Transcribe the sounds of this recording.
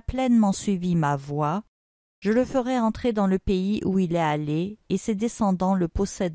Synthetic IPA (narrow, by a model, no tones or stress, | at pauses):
plɛnmɑ̃sɥivimavwa | ʒ̥ələfəʁɛɑ̃t̪χed̪ɑ̃ləpeiʔuilɛaleːsed̪esɑ̃d̪ɑ̃ləpɔsɛd̪